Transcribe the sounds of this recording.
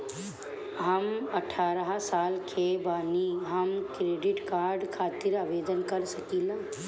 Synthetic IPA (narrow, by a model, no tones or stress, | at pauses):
ɦəmɐʈʰaːɾəɦsaːlkʰebaːniɦɐmkɾeːɖɪʈkaːɾɖkʰaːt̪ɪɾaːʋeːd̪ənkɐɾsɐkiːlaː